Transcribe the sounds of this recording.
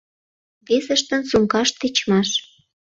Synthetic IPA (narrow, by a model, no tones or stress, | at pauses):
βesəʃt̪ə̆nsuŋkɑʃt̪et͡ɕmɑʃ